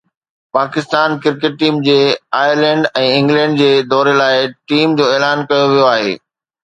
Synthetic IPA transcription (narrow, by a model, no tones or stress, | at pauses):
paːkɪst̪aːnkɪɾkeʈ̚ʈiːmd͡ʑeːaːjəɾlɛ̃ːɳɖɛ̃ːɪ̃ŋɡlɛ̃ːɳɖd͡ʑeːd̪ɔːɾelaːɪʈiːmd͡ʑoːeːlaːnkɐjoʋijoaːɦḛː